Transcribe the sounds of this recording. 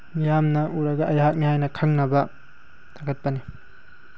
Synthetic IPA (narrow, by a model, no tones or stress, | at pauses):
mijamnɐʔuɾɐɡɐʔɐjɦat̚miɦajnɐkʰaŋnɐbɐ | taɡɐt̚pɐni